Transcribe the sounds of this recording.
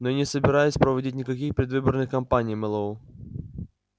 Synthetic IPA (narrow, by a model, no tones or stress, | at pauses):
nonʲɪsəbʲɪɾajɪsʲpɾəvɐdʲit̬̚ʲnʲɪkɐkʲixpɾʲɪd̪vɨbərnɨxkɐmpanʲɪjmɛlˠəu